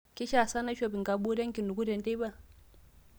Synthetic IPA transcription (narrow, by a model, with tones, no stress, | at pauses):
ki˦ʃa˦˨sa˦na˦ʃɔ˦˨pi˨ŋɡa˨ɓu˦ɾɛ˦ŋ˦ki˨nu˨ku˦ɾɛ˨n˦dɛ˦βa˦